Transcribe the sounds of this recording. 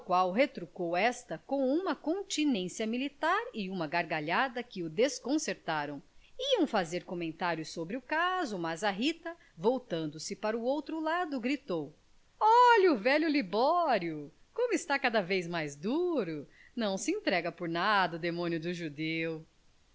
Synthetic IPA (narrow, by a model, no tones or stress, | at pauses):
kwawɦet̪ɾukowɛst̪ɐkõw̃ũmɐkõt͡ʃinẽsiɐmilit̪aɾɪũmɐɡaɾɡaʎad̪ɐkɪʊd̪eskõseɾt̪aɾɐ̃w̃iɐ̃w̃fazeɾkomẽnt̪aɾjʊsːobɾɪʊkazʊmɐzɐɦit̪ɐ | vowt̪ɐ̃nd̪ʊsɪpaɾɐʊowt̪ɾʊlad̪ʊɡɾit̪ow | ɔʎɐʊvɛʎʊlibɔɾjʊ | kõmʊɪst̪akad̪ɐvejzmajzd̪uɾʊ | nɐ̃w̃sɪẽnt̪ɾɛɡɐpoɾnad̪ɐʊd̪emõnjʊd̪ʊʒud̪ew